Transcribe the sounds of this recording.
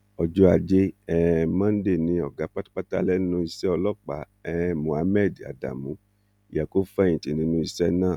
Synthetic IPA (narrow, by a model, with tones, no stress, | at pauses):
ɔ˧d͡ʒɔ˧˦a˧d͡ʒe˦ɛ˦mãː˦n̩˦de˦˨nĩ˧˦ɔ˨ɡa˨˦k͡pa˦tḁ˦k͡pa˦ta˦lɛ˦nũ˦i˧sɛ˦ɔ˧lɔ˦˨k͡pa̰˨˦ | ɛ˦mũ˨a˧˦mɛ˦˨da̰˨da̰˨mũ˨˦ | i˨ja˨ko˦fɛ˦˨ĩ˨ti˨nĩ˧˦nũ˧˦i˧sɛ˦nãː˦˨